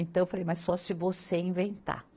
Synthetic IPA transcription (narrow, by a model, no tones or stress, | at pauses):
ẽnt̪ɐ̃ewfalejmɐssɔsɪvoseĩvẽnt̪a̰